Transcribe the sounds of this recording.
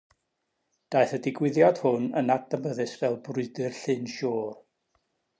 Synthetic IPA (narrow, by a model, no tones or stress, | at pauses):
d̥ajθədɪɡwɪðjad̥hʊnə̰natəməðɨsvɛlˠbrʊɨdɨrɬɨnʃɔːr